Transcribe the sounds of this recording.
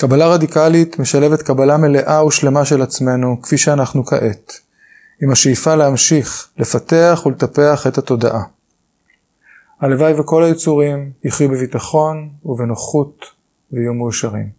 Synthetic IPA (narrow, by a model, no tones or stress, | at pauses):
kabalaʁadikalit̪me̞ʃaleve̞t̪kabalame̞le̞ʔauʃle̞maʃelat͡sme̞nukfiʃeanaχnuka̰ʔe̞t | imaʃeifaleamʃiχle̞fate̞aχuletape̞aχe̞thato̞da̰ʔa | halevajveko̞lajit͡suʁimjiχjubevitaχo̞nuvenoχut | veijumejuʃaʁḭm